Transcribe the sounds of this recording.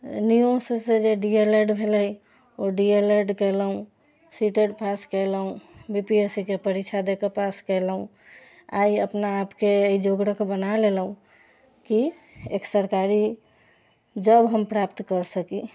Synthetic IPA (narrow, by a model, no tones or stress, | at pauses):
nijossed͡ʒeɖieleɖbʱeləi | oɖieleɖkɛləɦũ | siʈeɖpaskələũbipiesikepəɾit͡ʃʰad̪ekepaskəɪləũ | a̰iəpnaːpkeeid͡ʒoɡɽəkbənalelɦũ | ki | ḛksəɾkaɾi | d͡ʒəbɦəmpɾapt̪kəɾsəki